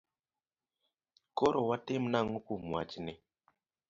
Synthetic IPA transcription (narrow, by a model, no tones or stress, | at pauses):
koɾʔowatemnaŋukumwa̰t͡ʃine